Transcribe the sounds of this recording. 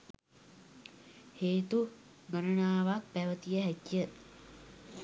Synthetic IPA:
heːt̪u | ɡənənaːʋak̚pæʋət̪ijəɦækijə

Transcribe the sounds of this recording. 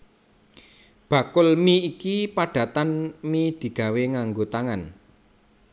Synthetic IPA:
b̥ä̤kʊlmiikipaɖ̥ä̤t̪anmid̪̥i̤ɡ̥a̤weŋaŋɡot̪aŋan

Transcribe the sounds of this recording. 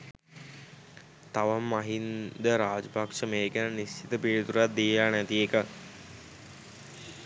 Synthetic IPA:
t̪aʋamːaɦind̪əɾaːd͡ʒəpakʂəmeːɡænənist͡ʃit̪əpiːɾit̪uɾat̪̚d̪iːlaːnæt̪iekə

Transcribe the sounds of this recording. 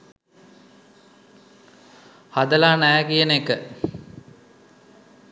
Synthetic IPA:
had̪ɐlaːnækijənekːə

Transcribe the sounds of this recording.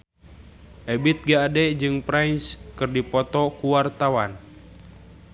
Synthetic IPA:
ʔɛbit̪̚ɡaːdɛd͡ʒɨŋpɾajnskɨrdipɔt̪ɔkuwart̪awan

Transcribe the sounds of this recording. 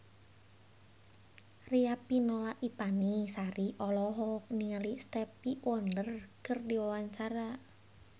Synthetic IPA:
riapinolaʔipanisaɾiʔɔlɔɦɔk̚niŋalist̪ɛpiwɔndərkɨrdiwawaɲt͡ʃaɾa

